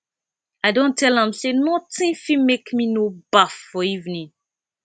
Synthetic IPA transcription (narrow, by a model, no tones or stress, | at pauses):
aɪdõntʰɛlãmsenɔtĩfĩmekminobafːɔivnĩŋ